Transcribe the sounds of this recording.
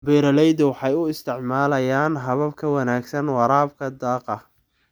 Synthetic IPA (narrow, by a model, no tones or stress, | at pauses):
bɛːɾɐlɛjd̪ɐwɑħɑjʊɪst̪ʰɪʕmaːlɐjaːnɦɐβɐbkʰɐwɑnaːɡsɐnwɑɾaːb̚kʰɐd̪ɑːqɐ